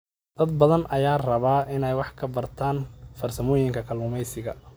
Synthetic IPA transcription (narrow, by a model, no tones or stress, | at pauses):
d̪̥ɐd̪̚bɐðɐnʔɐjaːrɐβaːʔɪnɛjwɑħkʰɐbɐrt̪ʰaːnfɐrsɐmɔːjɪŋkʰɐkʰɐlmʊmɛjsɪɣɐ̰